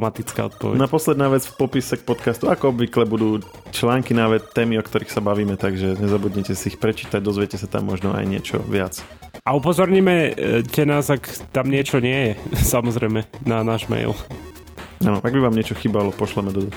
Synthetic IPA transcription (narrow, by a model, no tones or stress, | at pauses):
mat̪it͡ska̰ːɔ̰t̪̚pɔ̰ʋɛ̰napɔslɛd̪naːʋɛd͡zfpɔpisɛk̚pɔt̪kast̪uakɔɔbʋiklɛbud̪uː | t͡ʃlaːŋkinaʋɛt̪ːɛːmiɔkt̪ɔɾiːxsabaʋiːmɛt̪aɡʒɛɲɛzabud̪ɲɛcɛsiixpɾɛt͡ʃiːt̪aɟ̚d̪ɔzʋɪɛcɛsat̪a̰mːɔʒnɔa̰jɲɪɛ̰t͡ʃɔ̰ʋɪat͡s | aupɔzɔɾɲiːmɛcɛnaːzakt̪amɲɪɛt͡ʃɔɲɪɛjɛsamɔzɾɛjmɛnanaːʒmɛ̰jl | anɔʔaɡ̚biʋaːmɲɪɛt͡ʃɔxiːbalɔpɔʃlɛmɛd̪ɔd̪ɔ